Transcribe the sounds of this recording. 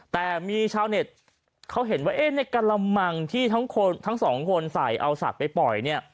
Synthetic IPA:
t̪ɛː˨˩miː˧t͡ɕʰaː˧wne˨˩t̪̚ | kʰa˦˥wɦe˩˦nwaː˥˩ʔeː˦˥˩na˧jkaː˧nla˧mːa˧ŋt̪ʰiː˥˩t̪ʰa˦˥ŋkʰo˧nt̪ʰa˦˥ŋsɔː˩˦ŋkʰo˧nsa˨˩jʔa˧wsa̰˨˩t̪̚pa˧jpɔ˨˩jni˥˩ɐ

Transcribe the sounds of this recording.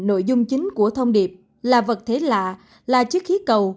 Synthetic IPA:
no̰˧˨jzʊ˧ŋ͡mt͡ɕï˨˦ŋ̟ku˧˩ət̪ʰə˧wŋ͡mɗi˨˩əp̚ | laː˨˩və˨˩t̚t̪ʰe˨˦la̰ː˧˨ | laː˨˩t͡ɕɨ˦˥ək̚xi˨˦kə˨˩w

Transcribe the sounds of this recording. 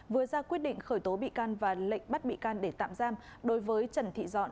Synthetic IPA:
vɨ˨˩ət̚zaː˧kwi˦˥ət̚ɗḭ˧˨ŋ̟xəː˧˩jt̪o˨˦ɓḭ˧˨kaː˧nvaː˨˩lə̰˧˨ŋ̟ɓa˦˥t̚ɓḭ˧˨kaː˧nɗe˧˩t̪a̰ː˧˨mzaː˧mɗo˨˦jvəː˨˦jt͡ɕə˧˩nt̪ʰḭ˧˨zɔ̰˧˨n

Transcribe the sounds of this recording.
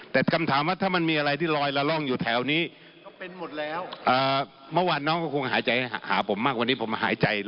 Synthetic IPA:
t̪ɛː˨˩kʰa˧mt̪ʰaː˩˦mwaː˥˩t̪ʰaː˥˩ma˧nmiː˧ʔa˧ɾa˧jt̪ʰiː˥˩lɔː˧jla˧lɔ˥˩ŋjuː˨˩t̪ʰɛː˨˩˦wniː˦˥˩ | e˧nmo˨˩t̪̚lɛː˦˥wʔɤː˨˩ | mɯ˥˩˨waː˧nːɔː˦˥ŋkɔː˥˩kʰu˧ŋɦaː˩˦jt͡ɕa˧jhja˩ha̰ː˩˦pʰo˩˦mːaː˥˩k̚wa˧nːiː˦˥pʰo˨˩˦m˧ɦa̰ː˩˦jt͡ɕa˧j

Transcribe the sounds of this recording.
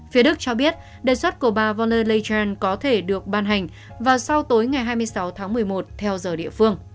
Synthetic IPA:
fi˨˦əɗɨ˦˥k̚t͡ɕɔ˧ɓi˦˥ət̚ | ɗəː˨˩jswə˦˥t̚ku˧˩əɓaː˨˩vɔ˧nləː˧lə˧t͡ɕaː˧nkɔ˨˦t̪ʰe˧˩ɗɨ˨˩ək̚ɓaː˧nɦa˨˩jŋ̟ | vaː˨˩wsa˧wt̪o˨˦jŋa˨˩jɦaː˧jmɨ˧əjsa˨˦wt̪ʰaː˨˦ŋmɨ˨˩əjmo˨˩t̚t̪ʰɛ˧wzəː˨˩ɗḭ˧˨əfɨ˧əŋ

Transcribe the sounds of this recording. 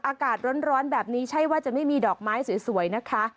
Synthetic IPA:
ʔaː˧kaː˨˩t̪̚ɾo˦˥n̚ɾɔː˦˥nbɛː˨˩p̚niː˦˥t͡ɕʰa˥˩jwaː˥˩t͡ɕa˨˩ma˥˩jmiː˧dɔː˨˩k̚maː˦˥jsi˨˩˦su˨˩˦əjna˦˥kʰa˦˥

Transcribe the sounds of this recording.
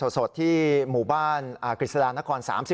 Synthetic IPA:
o˨˩t̪̚so˨˩t̪ʰːiː˥˩muː˨˩baː˥˩naː˨˩kɾi˨˩sa˧jaː˧na˦˥kʰɔː˧nsa̰ː˩˦msi˨˩

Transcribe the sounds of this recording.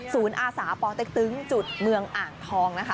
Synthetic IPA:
suː˩˦nʔaː˧saː˩˦pɔː˨˩t̪e˨˩k̚t̪ɯ˨˦ŋt͡ɕu˨˩t̪̚mɯ˧əŋʔaː˨˩ŋt̪ʰɔː˧ŋna˦˥kʰa˦˥

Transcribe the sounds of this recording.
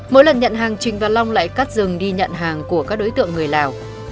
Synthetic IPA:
mo̰˧˥jlə˨˩nɲə̰˧˨nɦaː˨˩ŋt͡ɕï˨˩ŋ̟vaː˨˩la˧wŋ͡mla̰ː˧˨jka˦˥t̚zɨ˨˩ŋɗi˧ɲə̰˧˨nɦaː˨˩ŋku˧˩əkaː˦˥k̚ɗo˨˦jt̪ɨ̰˧˨əŋːɨ˨˩əjlaː˨˩w

